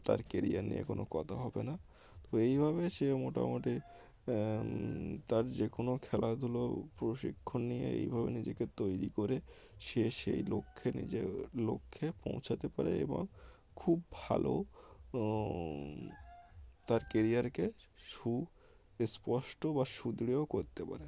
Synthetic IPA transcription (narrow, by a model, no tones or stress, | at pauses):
t̪a̰ɾkeɾijaɾnḭjḛkono̰kɔt̪ʰaɦɔbena | t̪oejbʱabeʃemoʈa̰moʈi | t̪aɾd͡ʑekonokʰɛlad̪ʱulopɾoʃḭkʰːonijḛḛjbʱabenid͡ʑeket̪ojɾikoɾe | ʃeʃḛjlokʰːenḭd͡ʑelokʰːepõ̰w̃t͡ɕʰat̪epa̰ɾeḛbo̰ŋ | kʰubbʱa̰lo̰ | t̪aɾkeɾiaɾkeʃu | espɔʃʈobaʃud̪ɾiokoɾt̪epa̰ɾe